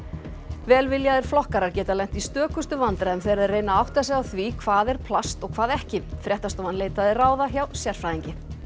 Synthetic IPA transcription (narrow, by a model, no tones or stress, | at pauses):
vɛːlvɪljaðɪɾ̥flɔhkaɾaɾcɛːt̪alɛn̥t̪ist̪œːkʏst̪ʏvant̪ɾaɛmθejɾaðreːjnaawht̪asɛɣawθvikʰvaːðɛɾ̥pʰlast̪ɔɣkʰvaːðɛhcɪfɾjɛht̪ast̪oːwvanleːjt̪aðɪraːwðaçjawsjɛr̥fɾajðiɲcɪ